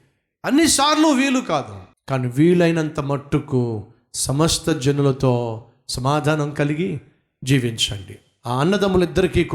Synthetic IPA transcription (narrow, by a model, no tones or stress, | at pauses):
ɐnːisaːɾluːʋiːlukaːd̪ṵkaːniʋiːɭɐjnɐnt̪ɐmɐʈːuku | sɐmɐst̪ʰɐd͡ʒɐnulɐt̪oː | sɐmaːd̪ʱaːnɐmkɐliɡi | d͡ʒiːʋiɲt͡ʃɐɳɖi | aːɐnːɐd̪ɐmulid̪ːɐɾikiːk